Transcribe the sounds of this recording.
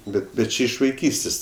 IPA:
ˈbʲɛt bʲɛt ˈt͡ʃʲɛ ɪʃ ʋɐɪˈkʲiːsʲtʲeːsʲ

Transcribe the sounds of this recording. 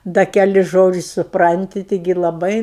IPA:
ˈdɐ kʲɛˈlʲɪs ˈʒoːd͡ʒʲɪsʲ sʊˈprɐnʲtʲɪ ˈtʲɪɡʲɪ lˠɐˈbɐɪ

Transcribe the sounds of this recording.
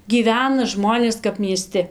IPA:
ɡʲiːˈʋʲæːnɐ ˈʒmoːnʲeːs kɐp mʲiɛˈsʲtʲɪ

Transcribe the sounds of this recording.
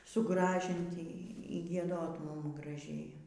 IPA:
sʊˈɡrɑːʒʲɪnʲtʲɪ iː ɡʲiɛˈdoːt ˈmʊm ɡrɐˈʒʲeːjɛ

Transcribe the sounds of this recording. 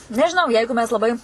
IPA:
nʲɛʒʲɪˈnɐʊ ˈjɛɪɡʊ mʲɛs lˠɐˈbɐɪ

